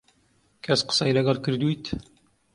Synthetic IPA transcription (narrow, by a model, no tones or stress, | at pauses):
kʰæsqə̥sɑjlɨɡɑlˠkɨɾd̪ujt̪